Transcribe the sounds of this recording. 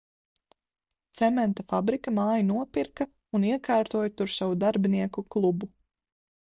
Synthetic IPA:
t̪sɛmɛnt̪afabɾikamaːjinuɔpiɾkɐ | uniɛkaːɾt̪uːjt̪uɾsawud̪aɾbiniɛkuklˠubu

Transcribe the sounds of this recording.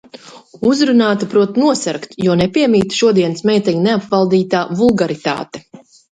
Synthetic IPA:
uzɾunaːt̪upɾuɔt̪nuɔsɛɾkt̪juɔnepʲiɛmiːt̪ʃuɔd̪iɛnɨsmɛːjt̪ɛjuneapvalˠd̪iːt̪aːvulˠɡaɾit̪a̰ːt̪ɛ̥

